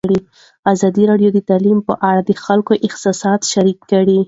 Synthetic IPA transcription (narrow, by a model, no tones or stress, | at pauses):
ɽi | azɑd̪iɾɑɖjod̪ət̪alimpə̰ʔaɽad̪əxalkoʔɪxt̪ɪsɑd̪ʃaɾikːəɽi